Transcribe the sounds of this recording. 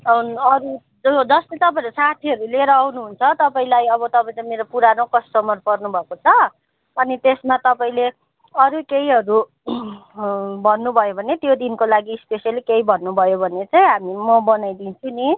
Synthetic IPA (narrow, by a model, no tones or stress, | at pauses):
ʌɾu | d͡zʌst̪ʌt̪ʌpaĩɾusat̪ʰiɦʌɾuleɾʌawnuɦunt͡sʰʌt̪ʌpaĩlajʌβʌt̪ʌpaĩt͡saĩmeɾopuɾanokʌsʈʌmʌrpʌrnubʱʌkot͡sʰʌ | ʌnit̪esmat̪ʌpaĩle | ʌɾukeiɦʌɾu | bʱʌnːubʱʌjobʱʌnet̪jod̪inkolaɡiːspesjalikeibʱʌnːubʱʌjobʱʌnet͡saĩɦamimʌbʌnajd̪int͡sʰuni